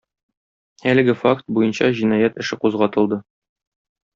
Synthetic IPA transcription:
ælɘ̆ɡɘfakt̪̚bujɤnɕɑʑinɑjæt̪ɘ̆ʃɘquzʁɑt̪ɤ̆lˠd̪ɤ

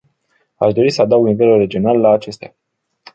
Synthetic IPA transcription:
aʃd̪o̞ɾisəad̪awɡnive̞lure̞d͡ʒio̞nalːaːt͡ʃe̞st̪ea

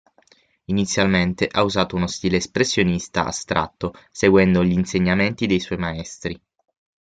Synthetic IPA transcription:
init̪sːjalment̪eʔauzaːt̪ounost̪iːleːspɾesːjonist̪a̰ʔa̰st̪ɾa̰t̪ːoseɡwɛnd̪oʎiːnseɲːament̪id̪ejswɔjmaɛst̪ɾi

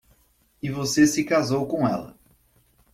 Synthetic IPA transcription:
ɪvosesɪkazowkõɛlɐ̰

